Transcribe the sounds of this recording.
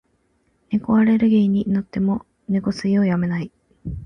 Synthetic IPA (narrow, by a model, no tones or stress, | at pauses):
ne̞koaɾe̞ɾɯ̟ɡʲe̞iɲ̟inot̪ːe̞mo̞ | neko̞sɨio̞jame̞nai